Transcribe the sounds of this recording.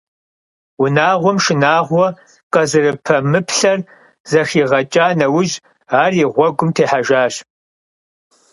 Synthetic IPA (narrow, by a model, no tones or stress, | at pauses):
wʊnaːʁʷɔmʃɪnaːʁʷɔ | qɐzɨrɨpʰɐmɨpʰɬɐr | zɐxiːʁɐt͡ʃʼaːnɐwʊʒ | aːriːʁʷɔɡʷʊmtʰeːħaʒaːɕ